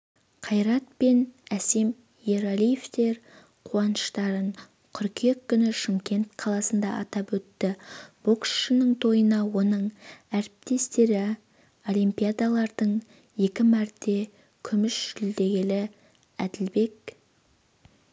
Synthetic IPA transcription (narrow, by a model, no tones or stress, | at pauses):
qʰɑjɾɑt̪̚pe̞næse̞m | jeɾolije̞ft̪e̞ɾ | qʰuɑnəʃt̪ɑɾəɴ | qʰʏɾkʲʰe̞kʲːʏnɪʃɪmkʲe̞nt̪qʰɑlˠɑsənd̪ɑ̰ʔɑt̪ɑpwɵt̪ːɪb̥oksʃənəɴt̪ʰo̞jənɑwo̞nəɴæɾɪp̚t̪e̞st̪e̞ɾɪ | o̞limpijad̪ɑlˠɑɾd̪̥əɴ | je̞kʲɪmæɾd̪e̞ | kʲʰʏmɪʃʒ̥ʏld̪e̞ɡʲe̞lɪ | æd̪ɪlbe̞k